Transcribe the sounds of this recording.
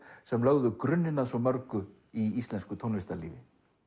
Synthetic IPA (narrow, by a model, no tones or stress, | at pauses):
sɛmlaɣðʏkɾʏnːɪnːasɔmœɾkʏ | iist̪lɛnskʏt̪ʰownvɪst̪alḭːvɪ